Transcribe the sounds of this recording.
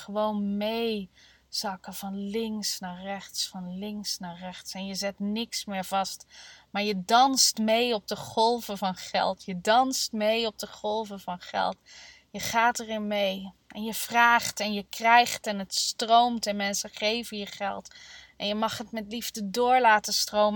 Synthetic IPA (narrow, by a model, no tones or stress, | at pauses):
χəʋownmej | z̥ɑkəv̥ɑnlɪŋsnaːrɛχtsfɑnlɪŋksnaːrɛχtsɛnjəzɛtnɪksmɪːɹv̥ɑstmaːɹjədɑnstmejɔp̚dəχɔlˠvəvɑnχɛ̰lˠtjədɑnstmejɔp̚dəχɔlˠvəvɑnχɛ̰lˠt | jəχaːtərɪnmej | ʔɛnjəv̥raːχtɛnjəkrɛjχtɛnətstrowmtɛnmɛnsəχejvənjəχɛ̰lˠtʔɛnjəmɑχɦətmɛtlivdədʊːɹlaːtəstrowm